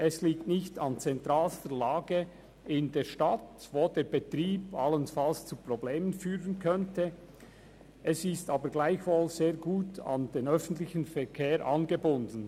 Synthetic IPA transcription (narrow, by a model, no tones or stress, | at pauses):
ʔɛsliːktnɪçtɑnt͡sɛntʁaːlstəlaːɡə | ɪndeːɐʃtatvoːdeːɐbetʁiːbalənfalst͡supʁ̥obleːmənfyːʁənkʰœntʰə | ʔɛsɪstaːbəɾɡlaɪçvoːlz̥eːɡuːtʰɑ̰nd̥eːnœfn̩tlɪçənfɛʁkʰeːɾʔɑnɡəbʊndn̩